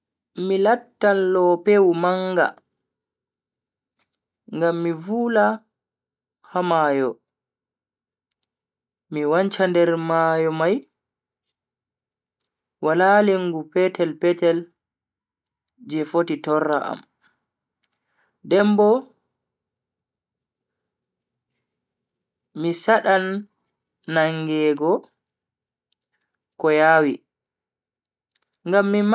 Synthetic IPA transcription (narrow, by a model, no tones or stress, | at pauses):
milatːalːɔpewmaŋɡa̰ | ŋɡamːivuːla | hamaːjɔ | iwaɲt͡ʃandɛɾmaːjɔmaj | walaleŋɡupɛtɛlpɛtɛl | d͡ʒɛfotitɔrːa̰ʔa̰m | dɛmbɔ | misaɗanː | aŋɡɛːɡɔ | kɔjaːwi | ŋɡamːim